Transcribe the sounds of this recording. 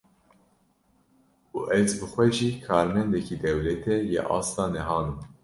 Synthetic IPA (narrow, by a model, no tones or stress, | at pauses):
uːʔɛzbɨxʷɛʒiːkʰɑːɾmɛnd̪ɛkid̪ɛwlɛt̪ʰɛjɛ̰ʔɑ̰ːst̪ɑːnɛɦɑːnɨm